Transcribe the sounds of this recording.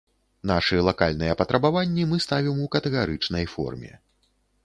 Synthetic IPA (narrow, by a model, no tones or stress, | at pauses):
n̪aʂɨjɛlˠakalʲnɨjɛpɐt̪ɾɐbavanʲːimɨst̪avʲimukɐt̪ɛɣaɾɨt͡ʂnɐjfɔ̰rmʲɛ̰